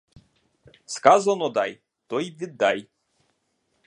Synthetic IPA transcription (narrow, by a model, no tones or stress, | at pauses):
skazanɔd̪aj | t̪ɔjvʲid̪aj